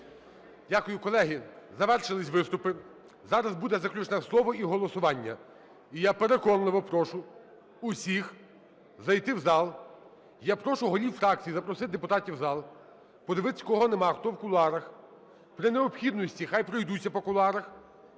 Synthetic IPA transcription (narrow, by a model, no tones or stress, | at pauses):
dʲakʊjʊkɔlˠɛɦɪzɐʋɛrʃɪlˠɪsʲʋɪst̪ʊpɪ | zɑɾɐzbud̪ɛzɐklʲut͡ʃnɛslˠɔʋɔʔiɦɔlˠɔsʊʋɑnʲːɐ | ijapeɾekɔnlˠɪʋɔpɾɔʃʊ | ʊsʲix | zɐjt̪ɪwzɑlˠ | japɾɔʃʊɦɔlʲiwfɾɑk̚t͡sʲijizɐpɾɔsɪt̪ʲd̪epʊt̪ɑtʲiwzɑlˠ | pɔd̪eʋɪt̪ɪ̥sʲkɔɦɔnemɑxt̪ɔwkʊlˠɑɾɐx | pɾɪneɔpxʲid̪nɔsʲtʲixɑjpɾɔjd̪ut͡sʲːɐpɔkʊlˠɑɾɐx